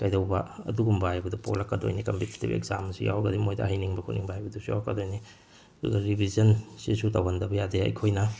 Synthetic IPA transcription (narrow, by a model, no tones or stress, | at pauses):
kɐjdɐwbɐɐ̰duɡumbaajbɐdupo̰lɐkːɐdo̰jnikɐmpiti̥tḭbḛkzamsḭja̰wɐɡɐdimojdɐ̰hajniŋbɐkʰuniŋbaajbɐdusuja̰wɐkːɐ̰dojni | ɐdṵɡɐɾibʱizɐnsisutɐwɐndɐbɐjadeɐ̰jkʰojnɐ